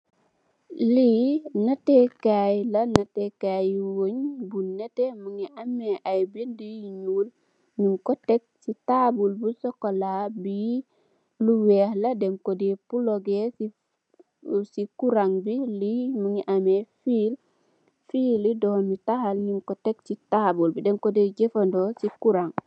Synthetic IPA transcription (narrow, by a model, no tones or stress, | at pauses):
linɐtekajlɐnɐtekajwoɲbunɛtemuŋiʔamːeʔajbindijiɲuːl | ɲimkɔtɛk̚sitabulbusɔkolabi | luwehladɛmkodepuloɡesi | sikuɾaŋbilimuŋiʔamefil | fiːlidɔmitahalɲimkotek̚titabulbidɛmkodeɟefandosikuɾaŋ